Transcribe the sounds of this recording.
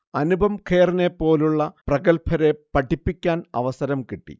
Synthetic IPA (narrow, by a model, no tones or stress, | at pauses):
ɐnubʱɐmkʰe̞ːrine̞pːo̞ːluɭːɐprɐɡɐlpʰɐɾe̞pɐʈʰːipːikʲːaːnɐ̰ʋɐsɐɾɐmkiʈːḭ